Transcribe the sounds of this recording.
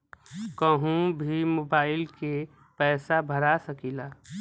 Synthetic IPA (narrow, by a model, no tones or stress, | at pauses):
kəɦũbʱimoːbaːɪlke | pɛːsabʱəɾasəkilaː